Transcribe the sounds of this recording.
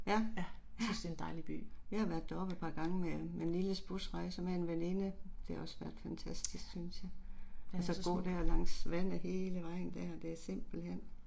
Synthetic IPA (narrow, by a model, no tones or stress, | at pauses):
jæjæsnsd̥end̥ɑ̈ɪlib̥y̰ːʋihɑ̈ʋæɐd̥ːæɒ̽b̥ed̥̚pʰɑ̈ɡ̥ɑ̈ŋəmemenliləsb̥usʁɑ̈ɪsɒmæe̝nʋene̝nəd̥e̝hæɒ̽sʋæɐ̰d̥fænt͡sʰæsd̥isɡ̥synsjɑ̈ɪælsɒɡ̥o̝̰ːd̥æɐ̰lɑ̈ŋ̰sʋæn̰æhe̝ːləʋɑ̈ɪ̰n̩d̥æɒd̥e̝æsem̰b̥l̩hen̰